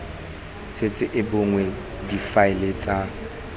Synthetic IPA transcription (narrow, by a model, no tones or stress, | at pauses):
set͡sʼɪʔɪbʊŋwɛ | difaɪlet͡sʼa